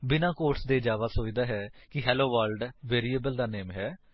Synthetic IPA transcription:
bɪnãːkoːʈsd̪eːd͡ʒaːʋaːsoːiːd̪aːɦɛːkɪɦɛːloːʋaːlɖʋeːɾiːeːbəld̪aːneːmɦɛː

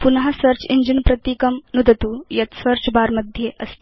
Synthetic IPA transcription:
punɦasəɾt͡ɕiɲd͡ʑinpɾət̪ikəmnud̪ət̪uːjɐt̪səɾt͡ɕbaɾməd̪ʱjeʔəs

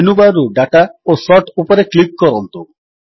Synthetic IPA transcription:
nubaɾuɖaʈaosɔʈupɔɾeklik̚kɔɾɔnt̪u

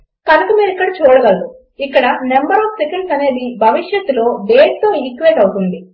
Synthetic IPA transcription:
kɐlɐkɐmiːɾikːɐɽɐt͡ʃuːɽɐɡaːd̪u | ikːɐɽɐnembɐɾɔːpsikɐɳʈsɐne̞ːd̪ibʱɐʋiʂjɐt̪ːulo̞ːʋeːʈt̪oːikːuʋeːʈ̪ɐwut̪uɳɖ̪i

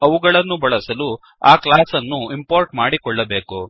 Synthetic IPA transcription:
ɐʋuɡɐɭɐnːubɐɭɐsɐlu | aːklaːsɐnːuimpoːɾʈmaːɽikɔɭːɐbe̞ːku

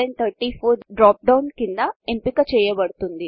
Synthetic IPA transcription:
eɳt̪ʰɐɾʈːifʰoːɾɖɾaːp̚ɖɐwnkind̪ɐempikɐt͡ʃɛjɐbɐɽt̪und̪i

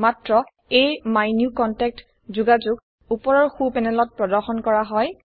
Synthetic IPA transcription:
matɹɔ | ejmajnjukɔntɛk̚t | zuɡazʊɡ | upɔɹɔɹxupɛnɛlɔt̚pɹɔdɔɹxɔnkɔɹaɦɔj

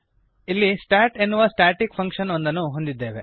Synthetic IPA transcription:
ilːisʈaːʈe̞nːuʋɐsʈaːʈikpʰɐŋkʂɐnond̪ɐnːuɦo̞nd̪id̪ːeːʋḛ

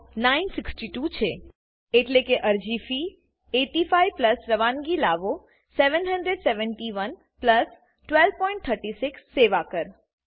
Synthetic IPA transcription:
nainsɪksʈiʈut͡ʃʰe | eʈlekeʔəɾd͡ʒifi | eʈifajpləsɾəʋãnɡilaʋo | seʋənɦəɳɖɾeɖseʋəɳʈiʋən | pləs | ʈʋɛlbpɔ̃ĩɳʈ̚t̪ʰəɾʈisɪksːeʋakəɾ

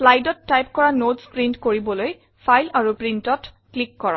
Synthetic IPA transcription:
slajdɔtːajpkɔɹanotspɹintkoɹibɔloj | pʰajlaɹupɹintɔt | klikːɔɹɔ̰̃

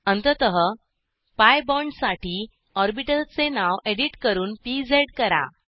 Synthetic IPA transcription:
ənt̪ət̪əɦə | pajbɔɳɖsaʈiː | ɔɾbiʈəlt͡senaʋeɽiʈkəɾuːnpid͡zeɽkəɾa̰

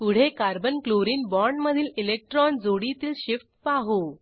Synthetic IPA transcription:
puɽ̤ekaɾbənkloɾiːnbɔɾɳɖməd̪ʱiːlilek̚ʈɾɔnd͡zoɽit̪iːlɕifʈ̚paɦu

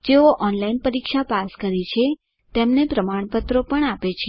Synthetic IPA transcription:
d͡ʒeoʔɔnlainpəɾikʃapaskəɾit͡ʃʰe | t̪emnepɾəmaɳ̃pət̪ɾopəɳapet͡ʃʰe

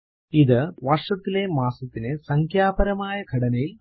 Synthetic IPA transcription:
iðɨʋɐrʂɐt̪ːile̞maːsɐt̪ːinesɐŋkʰjaːbɐɾɐmaːjɐɡʱɐɽɐnɐjil

